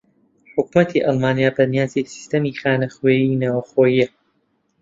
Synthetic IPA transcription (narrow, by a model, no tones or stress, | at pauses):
ħʊkmɐt̪ʰiʔɑlmaːnijaːbɐnijaːzisi̥st̪ɐmiːxaːnɐxweːjinaːwɐxoːjijɐ